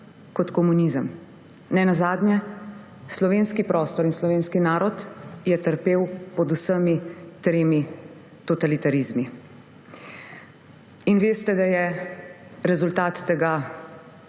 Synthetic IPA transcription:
kɔt̪kɔmunizəm | nɛnazaːd̪njɛ | slɔʋeːnskipɾʔɔːst̪ɔɾinslɔʋeːnskinaːɾɔt̪jɛt̪əɾpeːwpɔd̪usəmit̪ɾeːmi | t̪ɔt̪alit̪aɾizmi | inʋeːst̪ɛd̪ajɛ | ɾɛzult̪aːt̪ːɛɡa

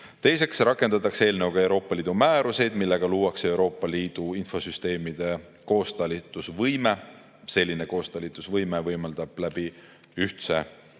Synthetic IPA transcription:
t̪e̞jse̞ksɾɑkːˑe̞nd̪ɑt̪ːˑɑkse̞ːlnewɡ̥ɑe̞wɾo̞ːpːˑɑlʲiːd̪umæːɾuse̞jd̪milːe̞ɡ̥ɑluːwɑkse̞wɾo̞ːpːˑɑliːd̪̥uinfo̞syst̪e̞ːmid̪̥e̞ | ko̞ːst̪ɑlit̪ːˑusvɤjme̞ | se̞lʲːine̞ko̞ːst̪ɑlit̪ːˑusvɤjme̞vɤjmɑld̪̥ɑb̥læb̥i | yht̪se̞

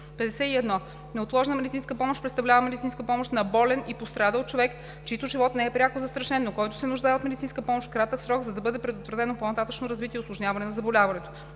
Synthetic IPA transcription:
pɛd̪ɛsɛiɛd̪nɔ | nɛot̪lˠɔʒnəmɛd̪itsinskəpɔmoʃpɾɛt̪st̪ɐvlʲavəmɛd̪it̪inskəpɔmoʃt̪nɐbɔlɛnipost̪ɾad̪əlˠt͡ʃovɛk | t͡ʃit̪oʒivɔt̪nɛɛpɾʲjakozɐst̪ɾɐʃɛnːokɔjt̪ʊ̥sɛnʊʒd̪aɛot̪mɛd̪it̪sinskəpɔmoʃt̪kɾat̪əksɾɔɡzɐd̪ɐbɤd̪ɛpɾɛd̪ot̪vɾɐt̪ɛnoponɐt̪at̪ət͡ʃnoɾɐzvit̪iɛʊslˠoʒnʲavɐnɛnɐzɐbolʲavɐnɛt̪o̥

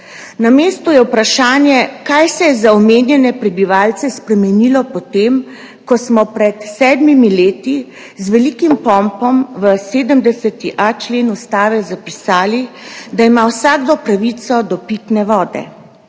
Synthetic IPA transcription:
nameːst̪ujɛwpɾaʃaːnjɛkajsɛjɛzaɔmeːnjɛnɛpɾɛbiʋaːlt̪sɛspɾɛmɛnilɔpɔt̪em | kɔsmɔpɾɛt̪sɛːd̪mimileːt̪i | zʋɛlikimpɔmpɔmʋəseːd̪əmd̪ɛsɛt̪iʔat͡ʃleːnust̪aːʋɛzapisaːlid̪aimawsaːɡd̪ɔpɾaʋit̪sɔd̪ɔpit̪nɛʋɔːd̪ɛ̰

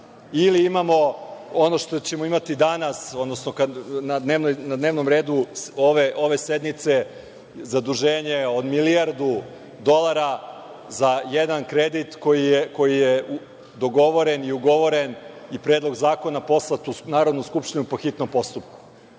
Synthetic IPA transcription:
iliimamo̞ono̞ʃt̪ot͡ɕe̞moimat̪id̪anaso̞d̪no̞snokanad̪neːʋnojnad̪neːʋno̞mɾeːd̪uoʋeʔo̞ʋe̞sed̪nit̪se | zad̪uʒe̞ːɲe̞o̞d̪miliaɾd̪u | d̪o̞lˠaɾa | zajed̪ankɾed̪it̪ko̞jijeko̞jije | d̪o̞ɡo̞ʋo̞ɾeniuɡo̞ʋo̞ɾe̞nipɾe̞ːd̪lˠo̞ɡzaːko̞napo̞slˠat̪unaːɾod̪nuskupʃt̪inupo̞xit̪no̞mpo̞st̪up̚ku̥

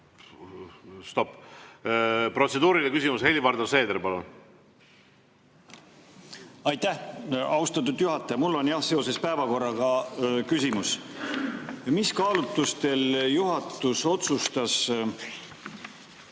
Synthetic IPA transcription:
st̪o̞pː | pro̞t̪sed̪uːɾilekysʲimushe̞lʲivɑɾd̪ose̞ːd̪eɾpɑlun | ɑjt̪ːæhɑust̪ɑt̪̬ːud̪juɦɑt̪ːˑɑjɑmulːo̞njɑhse̞o̞se̞spæevɑko̞rːɑɡɑkysʲimus | miskɑːlut̪ːˑust̪e̞ljuɦɑt̪ːˑuso̞t̪sust̪ɑs

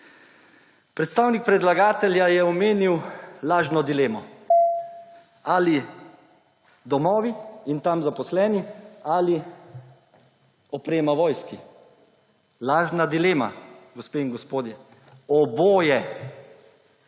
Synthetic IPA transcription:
pɾɛt̪st̪aːwnik̚pɾɛd̪laɡaːt̪ɛljajɛɔmeːniwlaːʒnɔd̪ileːmɔ | ali | d̪ɔmɔːʋiint̪amzapɔslɛːniali | ɔpɾeːmaʋɔːjski | laːʒnad̪ileːma̰ɡɔspeːiŋɡɔspoːd̪jɛ | ɔboːjɛ

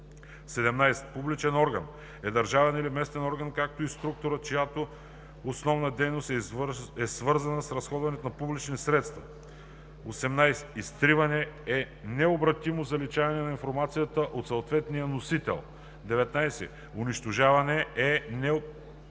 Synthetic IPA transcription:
sɛd̪ɛmnajsɛ̥publit͡ʃɛnɔɾɡɐ̰n | ɛd̪ɐɾʒavɛnilimɛst̪ɛnɔɾɡənkak̚t̪oist̪ɾuk̚t̪oɾət͡ʃojat̪o | osnɔvnəd̪ɛjnost̪ɛsvɤɾzɐnəsɾɐsxɔd̪vɐnɛt̪onɐpublit͡ʃnisɾɛt̪st̪vɐ̰ | osɛmnajsɛ̥ist̪ɾivɐnɛɛ | nɛobɾɐt̪imozɐlit͡ʃavɐnɛnɐinfoɾmat̪sijət̪əʔot̪sɐʊt̪vɛt̪nijənosit̪ɛ̰lˠ | d̪ɛvɛt̪najsɛ̰ | ʊniʃt̪oʒavɐnɛɛnɛ

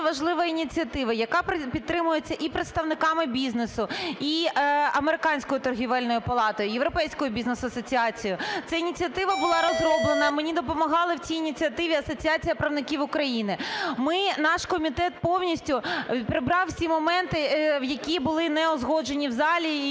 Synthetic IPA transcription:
ʋɐʒlˠɪʋɐinʲit͡sʲiɐt̪ɪʋɐjɐkɑppʲidt̪̚ːɾɪmʊjet͡sʲːɐʔipɾɪt̪st̪ɐʋnɪkɑmɪbʲiznesʊiɐmeɾɪkɑnʲsʲkɔjʊt̪ɔrɦʲiʋɛlʲnɔjʊpɐlˠɑt̪ɔjʊjeʋɾɔpɛjsʲkɔjʊbʲiznesʊɐsɔt͡sʲiɑt͡sʲijʊt̪sɛinʲit͡sʲiɐt̪ɪʋɐbʊlˠɑɾɔzrɔblˠenɐmenʲid̪ɔpɔmɐɦɑlˠɪwt͡sʲijinʲit͡sʲiɐt̪ɪʋʲiɐsɔt͡sʲiɑt͡sʲijɐpɾɐʋnɪkʲiʋʊkɾɐjinɪmɪnɑʃkɔmʲit̪ɛt̪̚pɔwnʲisʲtʲʊpɾɪbɾɑwsʲimɔmɛnt̪ɪwjɐkʲibʊlˠɪnɛɔzɦɔd͡ʒenʲiwzɑlʲi

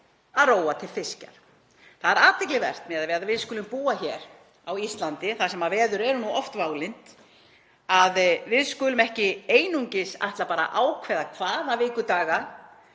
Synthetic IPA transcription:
aðroːwat̪ʰɪlfɪsca̰ɾ̥ | θaðɛɾaːt̪ʰɪklɪvɛ̰r̥t̪mɛðaðvɛːðavɪðskʏːlʏmpuːaçɛːɾ | awist̪lant̪ɪθasɛmavɛːðʏɾɛɾʏnuʔɔft̪vaːwlɪn̥t̪ | aðvɪðskʏːlʏmɛhcɪeːjnuɲcɪsa̰jht̪lapaːɾa̰ʔaːwkʰvɛːðakʰvaːðavɪːkʏt̪aːɣa

